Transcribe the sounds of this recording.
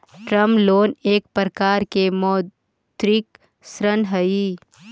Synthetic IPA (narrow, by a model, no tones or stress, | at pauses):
ʈɾəmploːneːk̚pəɾkaːɾkemɔː | t̪ɾik | sɾənɦəi